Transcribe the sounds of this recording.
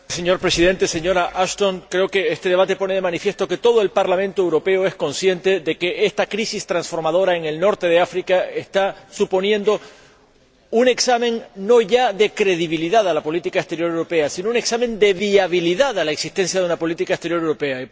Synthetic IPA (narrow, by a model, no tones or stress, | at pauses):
se̞ɲo̞ɾpɾe̞siðe̞nt̪e̞se̞ɲo̞ɾaʔaʃt̪o̞ŋkɾe̞o̞ke̞est̪eðeβat̪e̞po̞ne̞ð̞e̞mãnifje̞st̪o̞ke̞t̪o̞ð̞o̞e̞lpaɾlamẽnt̪oewɾo̞pe̞o̞e̞sko̞nsje̞nt̪e̞ðe̞ke̞ʔe̞st̪akɾisist̪ɾansfo̞ɾmað̞o̞ɾae̞ŋe̞lno̞ɾt̪e̞ðe̞afɾikaest̪asupo̞njẽ̞nd̪o̞ | une̞ksamẽ̞ŋno̞ʝaðe̞kɾe̞ðiβiliðaðalapo̞lit̪ikaest̪e̞ɾjo̞ɾewɾo̞pe̞asinoune̞ksamẽ̞nd̪e̞βiaβiliðaðalaeksist̪e̞nsjaðeunapo̞lit̪ikaest̪e̞ɾjoɾewɾo̞pe̞ai